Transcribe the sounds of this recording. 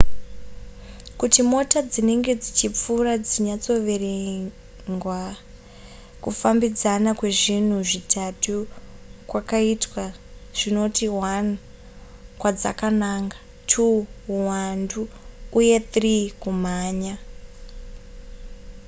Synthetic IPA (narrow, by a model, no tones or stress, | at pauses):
kutimo̞tad͡zine̞ŋɡe̞d͡zit͡ʃip͡furad͡ziɲat͡so̞ʋe̞ɾe | ŋɡwa | kufambid͡zanakwe̞ʐin̤uʐitʰatukwakaitwaʐ̥ino̞tiwan | kwad͡za̰kanaːŋɡḁ | tʰuːwanduːje̞t̪rikum̤aːɲa